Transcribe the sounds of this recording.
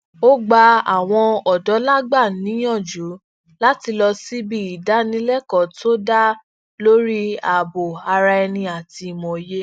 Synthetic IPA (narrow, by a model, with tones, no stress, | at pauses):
o˦ɡ͡ba˧a˨w̃ɔ̃˧ɔ˨dɔ˨˦la˦ɡ͡ba˦˨nĩ˨˦j̃ɔ̃˦˨d͡ʒu˨˦ | la˦ti˧lɔ˧si˦bi˦i˨da˨˦nĩ˦lɛ˦kɔ˨to˦da˦ | lo˦ɾi˦a˨bo˨a˧ɾa˧ɛ˧nĩ˧a˨ti˧˨mɔ̃˨je˦